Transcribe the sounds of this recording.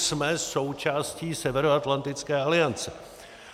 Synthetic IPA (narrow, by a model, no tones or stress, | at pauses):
smɛso̞wt͡ʃaːsciːsɛvɛɾoat̪lant̪ɪt͡skɛːalɪant͡sɛ